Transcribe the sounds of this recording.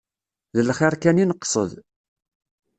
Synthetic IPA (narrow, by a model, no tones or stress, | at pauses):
ðəlχaɾkæninəqːsˤə̰ð